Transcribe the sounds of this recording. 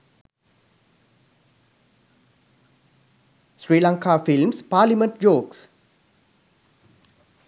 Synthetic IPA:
sɹilãŋkafilmspalimə̃nt̚d͡ʒoːks

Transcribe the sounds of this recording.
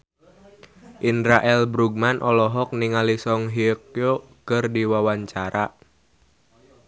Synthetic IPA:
ʔindɾaʔɛlbɾuɡ̚manʔɔlɔɦɔk̚niŋalisɔŋɦiəkjo | kərdiwawaɲt͡ʃaɾaʔ

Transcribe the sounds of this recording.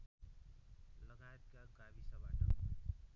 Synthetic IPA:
lʌɡajet̪kaɡabisʌbaʈʌ̰

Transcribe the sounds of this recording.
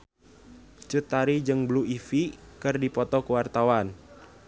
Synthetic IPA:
t͡ʃut̪aɾid͡ʒɨŋbluifikɨrdipɔt̪ɔkəwart̪awan

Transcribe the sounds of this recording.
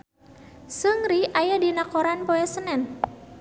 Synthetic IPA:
səŋɾiʔajadinakɔɾanpɔɛsənɛn

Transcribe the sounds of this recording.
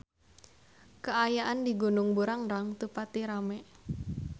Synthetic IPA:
kəajaʔandiɡunʊŋbuɾaŋɾaŋt̪upat̪iɾamɛ

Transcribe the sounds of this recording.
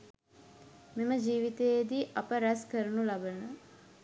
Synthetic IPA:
meməd͡ʒiːʋit̪ejed̪iʔapəɾæskəɾənulabənə

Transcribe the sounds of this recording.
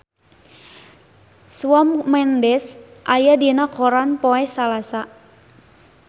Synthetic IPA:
swɔmmɛndɛsʔajadinakɔɾanpoɛsalasa

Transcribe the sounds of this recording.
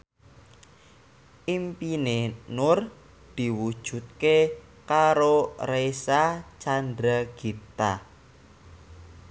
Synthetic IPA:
ʔimpinenʊr | d̪̥i̤wud̥ʒ̥ṳt̪̚ke | kaɾoresat͡ʃand̪ɾaɡ̥it̪a

